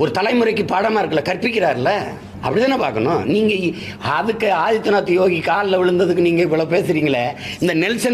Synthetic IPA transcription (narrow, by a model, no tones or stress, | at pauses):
ɔɾɯt̪ɐlɐɪmɯɾɐkːɯpaːɽɐmaːɪɾɯkːɐlːɐkɐrpɪk̬ʲːɪɾaːɾɪlːɐ | ɐ̰pːɐɽɪt̪ːaːnːɐpaːɾkɐnʊ̰̃niːŋɡɐ | ɐðɯkːɯaːðɪt̪ːɯnaːt̪ːɯjoːɣikaːllɐʋɪɻɯnd̪ɐðɯk̬ːɯniːŋɡɐɪpːɐɭɐpeːsɯɾiːŋɡɐɭɐɪnd̪ɐnɛlsɐ